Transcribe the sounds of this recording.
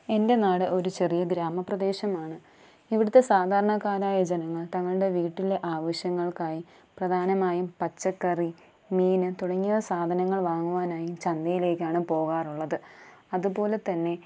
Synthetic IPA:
e̞nde̞naːɽɨʔo̞ɾut͡ɕe̞rijɐɡɾaːmɐprɐd̪e̞ːɕɐmaːɳɨ | iʋiɽut̪ːe̞saːd̪ʱaːɾɐɳɐkaːɾaːjɐd͡ʑenɐŋːɐɭt̪ɐŋːɐɭɨɽe̞ʋiːʈːile̞ʔaːʋɐɕjɐŋːɐɭkaːji | prɐd̪ʱaːnɐmaːjumpɐt͡ɕːɐkːɐri | miːnɨt̪uɽɐŋːiɐsaːd̪ʱɐnɐŋːɐɭʋaːŋːuʋaːnaːjumt͡ɕɐnd̪ɐjile̞ːkʲːaːɳɨpo̞ːɣaːruɭːɐðɨ | ɐðupo̞ːle̞t̪ɐnːe̞

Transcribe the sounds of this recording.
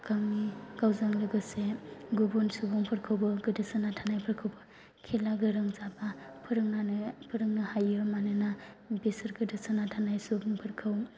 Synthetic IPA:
kaŋikawzaŋlɯɡɯseɡubɔnsubɔŋpʰɯɾkʰɯwbɯɡɯdɯsɯnatʰanajpʰɯɾkʰɯwbɯ | kʰelaɡɯɾɯŋzabapʰɯɾɯŋnanɯpʰɯɾɯŋnahajɯɾmanɯna | besɯɾɡɯdɯsanatʰanajsubɔŋpʰɯɾkʰɯw

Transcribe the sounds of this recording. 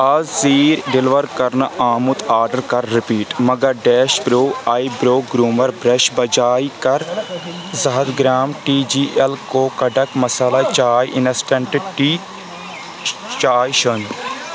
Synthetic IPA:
ɐzsiːɾɖɪlʋəɾkɐɾnaːmʊt̪aːɾɖəɾkɐɾːɪpiːʈmɐɡɐɾɖɛːʃbɾoːaːibɾoːk̚ɡɾuːməɾbɾeʃbɐd͡ʒaːikɐɾ | zɐɦɐd̪ɡɾaːmʈiːd͡ʒiːʔelkoːkɐɖɐkmɐsaːlat͡ʃaːjʔɪnɐsʈẽɳʈɪʈiː | t͡ʃaːjʃɐn

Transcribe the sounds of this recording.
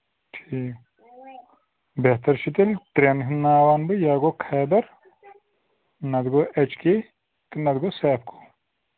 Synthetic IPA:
ʈʰiː | beht̪ɐɾʃʰit̪elʲʈɾʲenɦinnːaːʋaːnbɨjaːɡoːkʰaːbɐɾ | nɐd̪ɡoːʔɐt͡ʃke | t̪ɨnɐd̪ɡoːsɛːp̚ʰkʰo̥

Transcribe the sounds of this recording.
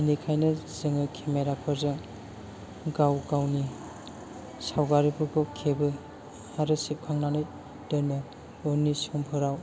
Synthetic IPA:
nikʰajnɯzɯŋɯkʰemeɾapʰɯɾzɯŋ | ɡawɡawni | sawɡaɾibɯɡɔkʰebɯ | haɾɯsip̚kʰaŋnanɯj | dɯnɯ | ɔnisɔmpʰɯɾaw

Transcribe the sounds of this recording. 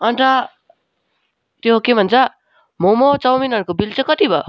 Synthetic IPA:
ʌɳʈʌ | t̪joɦokebʱʌnt͡sʰʌ | momot͡sʌwminʌɾukobilt͡sʰʌ̃kʌt̪ibʱʌ

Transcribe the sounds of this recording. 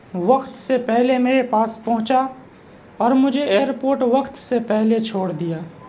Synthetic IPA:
ʋɐxt̪sepɛɦlemeːɾepaːspɐɦʊ̃t͡ʃa | ɔːɾmʊd͡ʒʱeeːɾpoːɾʈʋɐkt̪sepɛɦlet͡ʃʰoːɽd̪ijaː

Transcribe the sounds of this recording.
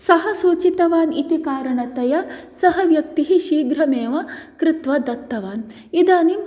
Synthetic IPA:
sɐɦɐsuːt͡ʃit̪ɐʋaːnit̪ikaːɾɐɳɐt̪ɐjɐsɐɦɐʋjɐk̚t̪iɦiʃiːɡɾɐmeːʋɐkɾɪt̪ʋɐd̪ɐt̪ːɐʋaːn | id̪aːnim

